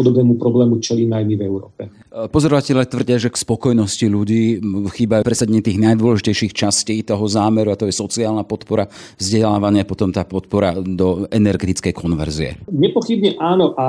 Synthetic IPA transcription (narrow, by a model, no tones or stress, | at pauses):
ɔd̪ɔbnɛːmupɾɔblɛːmut͡ʃɛlinajmivɛuɾɔːpɛ | pɔzɔɾɔʋacɛlʎɪat̪ʋr̩ɟɪaʒɛkspɔkɔjnɔsciʎuɟiːxiːbajupɾɛsaɟɛɲɛt̪iːɣnajd̪ʊwɔlɛʒicɛjʃiːxt͡ʃasciːt̪ɔɦɔzaːmɛɾuat̪ɔjɛsɔt͡siaːlnapɔt̪pɔɾa | vzɟɛlaːʋaɲɪapɔt̪ɔmt̪aːpɔt̪pɔɾad̪ɔʔɛnɛɾɡɛt̪it͡skɛjkʰɔnʋɛ̰ɾziɛ̰ɲɛpɔxibɲɛʔaːnɔʔa